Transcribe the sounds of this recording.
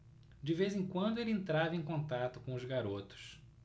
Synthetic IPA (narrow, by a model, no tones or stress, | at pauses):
d͡ʒɪvezẽkwɐ̃nd̪ʊelɪẽnt̪ɾavɐẽj̃kõnt̪at̪ʊkõʊzɡaɾot̪ʊ̥s